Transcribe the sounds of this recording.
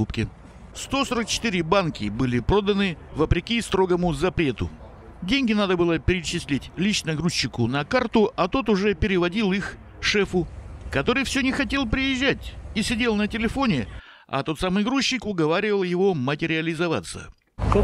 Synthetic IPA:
upkʲɪ | st̪o̞soɾək̚t͡ɕɪ̥t̪ɨɾʲɪbankʲɪbɨlʲɪpɾo̞d̪ənɨvəpɾʲɪkʲist̪ɾo̞ɡəmʊzɐpɾʲe̞t̪ʊ̰ | dʲenʲɡʲɪnad̪əbɨlˠəpʲɪɾʲɪt͡ɕɪsʲlʲetʲlʲit͡ɕnəɡɾuɕːɪkʊnɐkart̪ʊʔɐt̪o̞t̪ʊʐɛpʲɪɾʲɪvɐdʲilˠix | ʂɛfʊkɐt̪o̞ɾɨjfsʲɵnʲɪxɐtʲe̞lˠp̬ɾʲɪjɪʑːætʲisʲɪdʲe̞lˠnətʲɪlʲɪfo̞nʲɪ | ɐ̰t̪o̞t̪samɨjɡɾuɕːɪkʊɡɐvaɾʲɪvəlˠjɪvo̞mətʲɪɾʲɪəlʲɪzɐva̰t̪sːə̰

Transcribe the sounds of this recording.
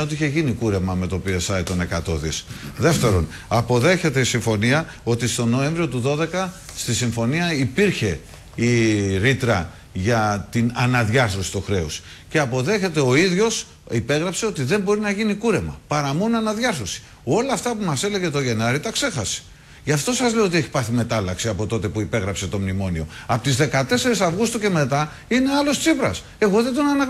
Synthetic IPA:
o̞t̪iiçe̞ʝinikuɾe̞mɐme̞t̪o̞piesɐit̪o̞ne̞kɐt̪o̞ðisðe̞ft̪e̞ɾo̞n | ɐpo̞ðe̞çe̞t̪e̞isiɱfo̞niɐ | o̞t̪ist̪o̞no̞e̞ɱvɾio̞t̪uðo̞ðe̞kɐst̪isiɱfo̞niɐipiɾçe̞ | iɾit̪ɾɐ | ʝɐt̪inɐnɐðʝɐθɾosi̥t̪oxɾe̞os | ce̞ɐpo̞ðe̞çe̞t̪e̞o̞iðʝo̞s | ipe̞ɣɾɐpse̞o̞t̪iðe̞mbo̞ɾinɐʝinikuɾe̞mɐ̰pɐɾɐmo̞noɐnɐðʝɐθɾosi̥ | o̞lɐːft̪ɐpumɐse̞le̞ʝe̞t̪o̞ʝe̞nɐɾit̪ɐkse̞xɐse̥ | ʝɐft̪o̞sɐzleoo̞t̪ieçi̥pɐθime̞t̪ɐlɐksiɐpo̞t̪o̞t̪e̞puipe̞ɣɾɐpse̞t̪o̞mnimo̞nio̞̰ɐpot̪izðe̞kɐt̪e̞se̞ɾisɐvɣust̪uce̞me̞t̪ɐ | ine̞ɐlo̞st̪t͡sipɾɐ̰s | e̞ɣo̞ðet̪onɐnɐ

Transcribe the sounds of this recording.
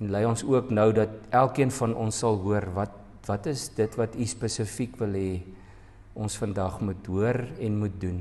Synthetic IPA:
ɛnlɛjɔnsuəknəwdɐt̚ælˠkiənfɐnɔnsːɐlˠɦuərvɐt̚ | vɐtəsdətvɐtispəsəfikvəlˠɦɛː | ɔnsfəndɐχmutɦuərɛnmut̚dun

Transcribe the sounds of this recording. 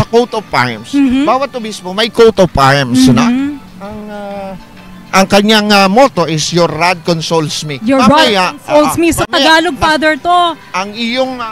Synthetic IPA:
ɐkowt̪ovt̪a̰jmsbaːwɐt̪̚ʊbismomɐjkowt̪ovtajmsno | ɐŋa | ʔɐŋkɐɲaŋɐmot̪o̞ʔɪsjoɾːad̪̚konsolsmijmɐjasolsmisɐtmɐɡaːloɡ̚fad̪ɛɹt̪oʔɐŋɪjoŋ

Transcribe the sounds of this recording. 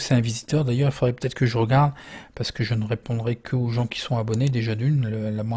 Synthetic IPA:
sɛɛ̃vizit̪œʁd̪ajœʁilfod̪ʁɛpø̥t̪ɛt̪χəkəʒəʁəɡaʁd̪paʁsə̥kəʒənəʁepɔ̃d̪ʁɛkʰəoʒɑ̃kʲi̥sɔ̃abɔned̪eʒad̪ynləlamwɛ̃

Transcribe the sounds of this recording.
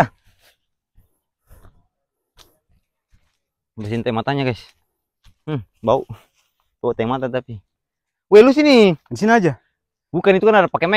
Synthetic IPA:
basint̪aimat̪aɲakais̩ | bau | baut̪aimat̪at̪api | wɛlus̬iniansinad͡ʒa | bukanit̪ukanaɾapakɛmɛ

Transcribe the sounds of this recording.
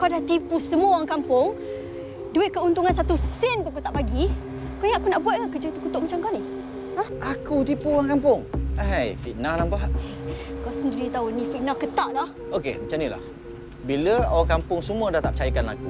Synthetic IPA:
kawdat̪ipusəmuəwaŋkampʊŋ | duɪt̪̚kəunt̪uŋans̬at̪usɪnpəkot̪aʔpaɡi | kojaʔakunaʔbuat̪̚akəd͡ʒat̪ukut̪ʊʔmat͡ʃamkani | ãhʔakut̪ipuwaŋkampʊŋajfiʔ̪nalambaʔ̚ | kasəndiɾit̪aunĩfiʔ̚nakət̪aʔlah | okḛmat͡ʃanila̰h | biləawaŋkampʊŋsəmũədaht̪ap̚t͡ʃajikanla̰ku

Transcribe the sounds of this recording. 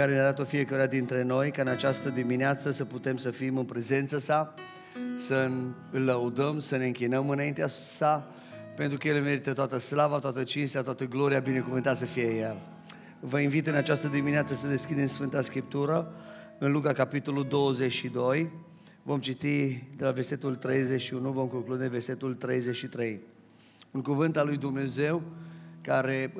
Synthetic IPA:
kaɾeneaɾat̪o̞fie̞kəɾead̪int̪ɾe̞no̞jkaɨnat͡ʃast̪əd̪imineat̪səsəput̪e̞msəfimɨnpɾe̞ze̞nt̪səsa | sə | ɨlːəud̪əmsəne̞ɨŋkʲinəmɨnaint̪easa | pe̞nt̪ɾukəjeleme̞ɾit̪ət̪oat̪əslavat̪oat̪ət͡ʃinst̪eat̪wat̪əɡlo̞ɾiabine̞kuvɨnt̪at̪s̬əfije̞jel | vəinvit̪ɨnat͡ʃast̪əd̪imineat̪səsəd̪e̞skʲid̪e̞msfɨnt̪askɾip̚t̪uɾə | ɨnlukakapit̪o̞lud̪o̞wəze̞t͡ʃʃid̪o̞j | vo̞mt͡ʃit̪id̪e̞laverse̞t̪ult̪ɾe̞jzet͡ʃʲʃiunuvo̞mko̞ŋklud̪e̞ve̞rse̞t̪ult̪ɾe̞jzet͡ʃʃit̪ɾe̞j | ɨŋkuvɨnt̪alujd̪umne̞ze̞wkaɾe̞

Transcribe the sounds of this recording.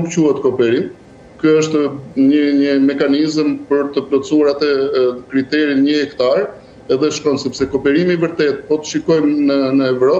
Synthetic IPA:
nukcuhɛt̪kɔpɛɾim | kjuəʃt̪ɲəɲəmɛkanizəmpəɾt̪əplɔt͡suaɾat̪ɛkɾit̪ɛɾinɲəhɛkt̪aɾ | ɛðɛʃkɔnsɛpsɛkɔpɛɾimivəɾt̪ɛt̪̚pɔt̪ə̥ʃikɔjmnənəɛvɾɔ

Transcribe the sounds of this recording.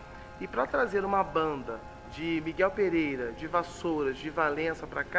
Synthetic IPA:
ɪpɾɐt̪ɾazeɾũmɐbɐ̃nd̪ɐ | d͡ʒɪmiɡɛwpeɾejɾɐd͡ʒɪvasoɾɐzd͡ʒɪvalẽsɐpɾɐka

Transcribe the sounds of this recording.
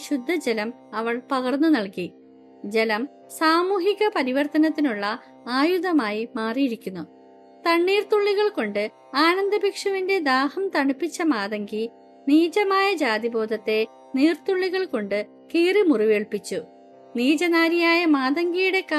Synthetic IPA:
ɕud̪ʱːɐd͡ʑelɐm | ɐʋɐɭpɐɣɐrnːunɐɭki | d͡ʑelɐm | saːmuːɦiɣɐpɐɾiʋɐrt̪ɐnɐt̪ːinuɭːɐ | aːjuðɐmaːjimaːrijiɾikʲːunːu | t̪ɐɳːiːrt̪uɭːiɣɐɭko̞ɳɖɨ | aːnɐnd̪ɐbʱikʂɐʋinde̞d̪aːhɐmt̪ɐɳipːit͡ɕːɐmaːðɐŋɡi | niːd͡ʑɐmaːjɐd͡ʑaːd̪ibo̞ːd̪ʱɐt̪ːe̞ | niːrt̪uɭːiɣɐɭko̞ɳɖɨ | kiːrimuriʋeːɭpit͡ɕːu | niːd͡ʑɐnaːɾijaːjɐmaːðɐŋɡijuɽe̞ka

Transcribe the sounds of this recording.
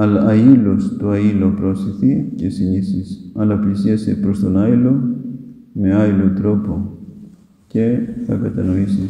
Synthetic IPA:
ɐlɐɐilo̞st̪oɐilo̞pɾo̞siθice̞sinisisɐlɐplisiɐsepɾo̞st̪o̞nɐilo̞ | me̞ɐilo̞t̪ɾo̞po̞ | ce̞θɐkɐt̪ɐno̞isi

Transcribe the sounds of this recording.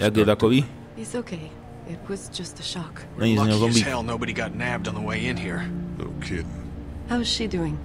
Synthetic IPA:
jaɡeðakɔwi | isoʊkʰeɪ | ɪt̚wʌz̥d̥d͡ʒ̥ʌstɨʃɑk | ãniznazɔ̃mbiɛlˠnoʊbɨɾiɡɑtⁿnæb̚dn̩ðəweɪɪ̃nhiɹo̰ʊkʰɪd̚haʊɪz̥ʃidʉɪ̃ŋ

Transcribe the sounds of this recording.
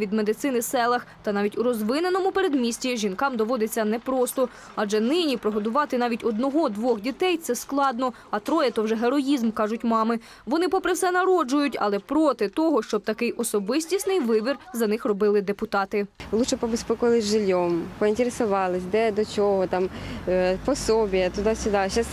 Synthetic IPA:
ʋʲid̪med̪ɪt̪sɪnɪsɛlˠɐxt̪ɐnɑʋʲitʲuɾɔzʋɪnenɔmʊpeɾe̞d̪mʲisʲtʲiʒʲinkɑmd̪ɔʋɔd̪ɪt͡sʲːɐnɛpɾɔst̪ɔ | ɑd͡ʒɛnɪnʲipɾɔɦɔd̪ʊʋɑt̪ɪnɑʋʲitʲɔd̪nɔɦɔd̪ʋɔxdʲit̪ɛjt̪sɛsklˠɑd̪nɔ | ɐt̪ɾɔjɛt̪ɔwʒɛɦeɾɔjizmkɑʒʊtʲmɑmɪ | ʋɔnɪpɔpɾɪwsɛnɐɾɔd͡ʒʊjʊtʲɐ̰lˠɛpɾɔt̪ɪt̪ɔɦɔʃt͡ʃɔb̚t̪ɐkɪjʔɔsɔbɪsʲtʲisnɪjʋɪbʲirzɐnɪxrɔbɪlˠɪd̪epʊt̪ɑt̪ɪlˠuʃɛpɔbespɛkʊʋɐlˠɪzʲʒɪlʲːɔmpɔinʲt̪ʲeɾesʊʋɑlˠɪsʲd̪ɛd̪ɔt͡ʃɔɦɔt̪ɑm | pɔsɔbʲijɐt̪ʊd̪ɑsʲʊd̪ɑʃas

